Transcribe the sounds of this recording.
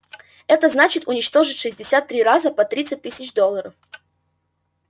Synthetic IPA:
ɛt̪əznat͡ɕɪt̪ʊnʲɪt͡ɕt̪o̞ʐɨtʲʂɨzʲdʲɪsʲat̪ːɾʲiɾazəpɐt̪ɾʲit̪sɨt̚ʲt̪ːɨsʲɪt͡ɕd̪o̞lˠːəɾəf

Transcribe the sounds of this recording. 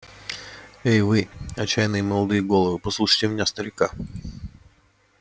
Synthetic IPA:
ejʋɪɐt͡ɕːajnɨjimɔlˠɐd̪ɪjɪɡɔlˠɔʋɨpɔslˠuʂə̥jt̪ʲemʲɪnʲast̪ɐɾʲɪka

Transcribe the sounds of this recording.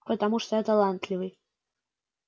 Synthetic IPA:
pət̪amuʂt̪ojat̪alˠant̪lʲivɨj

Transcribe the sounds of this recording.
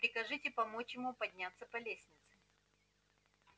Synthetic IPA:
pɾʲɪkɐʐɨtʲɪpɐmot͡ɕjɪmupɐdʲnʲat̪sːəpɐlʲesʲnʲɪt̪sɨ

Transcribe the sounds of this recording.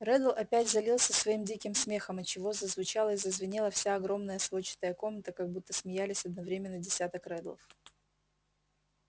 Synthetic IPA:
rɛd̪əlˠʔɐpʲætʲzɐlʲilˠsʲəsvɐimdʲikʲɪmsmʲe̞xəmɐt͡ɕɪvo̞zəzvʊt͡ɕalˠəɪzəzvʲɪnʲilˠəfsʲaɐɡɾo̞mnəjəslˠot͡ɕɪ̥t̪əjəko̞mnət̪əkɐɡ̚but̪ːəsmʲɪjælʲɪsʲɐd̪nɐvɾʲemʲɪnːədʲɪsʲat̪əkɾɛd̪lˠə̰f

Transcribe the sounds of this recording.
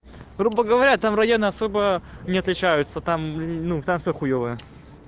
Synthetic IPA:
ɡɾubəɡəvɐɾʲat̪amrɐjonɨɐso̞bənʲɪɐt̪lʲɪt͡ɕæjʊt̪sət̪amnut̪amfsʲoxʊjovɨə

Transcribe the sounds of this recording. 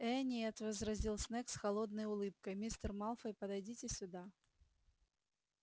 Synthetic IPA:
ɛnʲejɐt̪vɐzɾɐzʲilˠsnɛksxɐlˠod̪nəjʊlˠɨp̚kəjmʲist̪ərmalˠfəjpəd̪ɐjdʲitʲɪsʲʊd̪a

